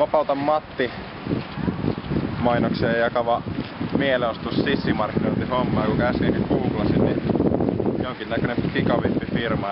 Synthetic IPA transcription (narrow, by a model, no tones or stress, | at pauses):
ʋɑpɑˑut̪ɑmmɑt̪ːi | mɑinoksiɑjɑkɑʋɑmieleost̪ussisːimɑrkːinoˑit̪ihomːɑːkukæˑsinikkuuklɑsinni | joŋkinnækønemppikɑʋipːifirmɑ